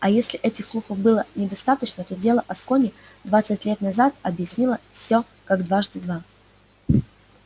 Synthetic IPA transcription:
ɐjesʲlʲɪʔɛtʲɪxslˠuxəvbɨlˠənʲɪd̪ɐst̪at̪ət͡ɕnət̪o̞dʲe̞lˠəʔɐskonʲɪd̪vat̪sɨtʲlʲe̞t̪nɐzat̪̚ɐbjɪsʲnʲilˠəfsʲo | kaɡd̪vaʐd̪ɨd̪va

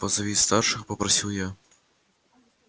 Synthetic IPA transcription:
pɐzɐvʲist̪arʂɨxpɐpɾɐsʲiwja

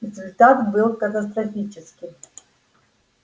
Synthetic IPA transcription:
rezulʲtʰatbɨlˠkɐt̪ɐst̪rofʲit͡ʃʰɪskʲi

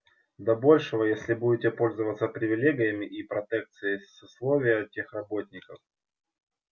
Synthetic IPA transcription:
d̪ɐbo̞lʲʂɨvəjesʲlʲɪbudʲɪtʲɪpo̞lʲzəvət̪səpɾʲɪvʲɪlʲeɡʲɪjəmʲɪʔipɾɐt̪ɛk̚t̪sɨjɪsʊslˠo̞vʲɪjətʲexrɐbo̞tʲnʲɪkəf

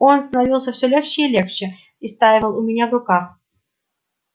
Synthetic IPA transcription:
onst̪ənɐvʲilˠsʲəfsʲolʲext͡ɕɪilʲext͡ɕɪ | ist̪ajɪvəlˠʊmʲɪnʲavrʊkax

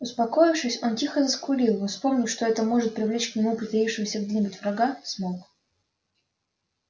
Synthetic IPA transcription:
ʊspɐko̞jɪfʂɨsʲo̞ntʲixəzəskʊlʲilˠɔspo̞mnʲɪʂt̪o̞ɛt̪əmo̞ʐɨt̪̚pɾʲɪvlʲet͡ɕknʲɪmupɾʲɪt̪ɐifʂɨvəsʲəɡdʲenʲɪbʊtʲvɾɐɡasmok

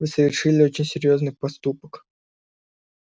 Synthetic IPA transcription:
vɨsəvʲɪrʂɨlʲɪot͡ɕɪnʲsʲɪɾʲjo̞znɨpɐst̪upək

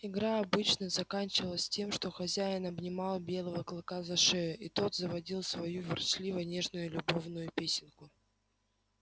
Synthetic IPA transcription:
ɪɡɾaɐbɨt͡ɕnəzɐkanʲt͡ɕɪvəlˠəsʲtʲe̞mʂt̪o̞xɐzʲæɪnɐbnʲɪmɑlˠbʲe̞lˠəvəklˠɨkazɐʂɛjʊʔit̪o̞t̪zəvɐdʲilˠsvɐjuvʲɪrt͡ɕlʲivənʲe̞ʐnʊjʊlʲʊbo̞vnʊjʊpʲesʲɪnkʊ

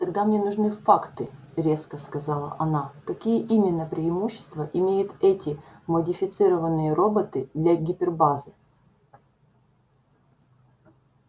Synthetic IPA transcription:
k̪ɐɡd̪amnʲenʊʐnɨfakt̪ɨ | ɾʲe̞skəskɐzalˠə̰ʔɐnakɐkʲijəʔimʲɪnːəpɾʲɪɪmuɕːɪ̥st̪vəʔɪmʲejʊt̪ɛtʲɪmədʲɪfʲɪt̪sɨɾəvənːɨjəɾobət̪ɨd̪lʲɐɡʲɪpʲɪrbazɨ

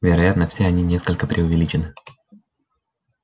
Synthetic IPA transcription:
vʲɪɾɐjat̪nəfʲsʲeɐnʲinʲe̞skəlʲkəpɾʲʔɪʊvʲɪlʲit͡ɕɪnɨ

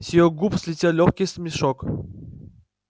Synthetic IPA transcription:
sʲijɔɡupslʲit̪ʲelʲɔxʲkʲist̪mʲiʃɔk

